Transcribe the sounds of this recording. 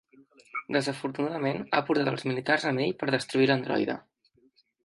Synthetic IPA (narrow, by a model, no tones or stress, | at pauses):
d̪əzəfuɾt̪unaðəmena̰puɾt̪at̪əlˠzmilit̪arzəmeʎpəɾð̞əst̪ɾuilənd̪ɾɔ̰jðə̰